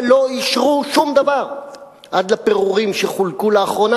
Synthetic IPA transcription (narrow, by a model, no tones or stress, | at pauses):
lo̞iʃʁuʃumd̪avaʁ | ʔad̪lape̞ʁuʁimʃeχulkuleːχʁo̞na